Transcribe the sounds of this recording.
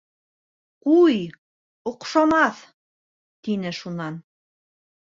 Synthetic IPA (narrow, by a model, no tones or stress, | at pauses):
quj | ŏqʃɑmɑθ | t̪inɘʃunɑn